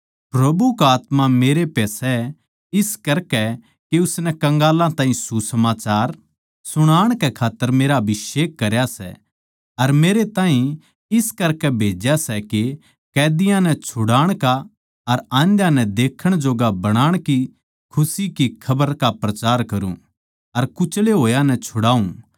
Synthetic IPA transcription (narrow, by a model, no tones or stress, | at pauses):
pɾɐbukaːt̪mameːɾepɛːsɛ | ɪskɐɾkɛ | keʊsnɛkɐ̃ŋɡaːlãt̪ãːɦĩsusɐmaːt͡ʃaːɾ | sʊɽ̃aːɽ̃kɛkʰaːt̪ːəɾmeːɾabɪʃeːkːɐɾjasɛ̰ | ɐɾmeːɾet̪ãːɦĩ | ɪskɐɾkɛbʱeːd͡ʒjasɛke | kɛːd̪ɪjãnɛt͡ʃʰʊɽaːɽ̃ka | ɐɾãːnd̪jãnɛ̃d̪eːkʰəɽ̃d͡ʒoːɡabɐɽ̃aːɽ̃ki | kʰʊsikikʰɐbəɾkapɾɐt͡ʃaːɾkɐɾṵ̃ | ɐɾkʊt͡ʃleɦoːjãnɛt͡ʃʰʊɽaːũ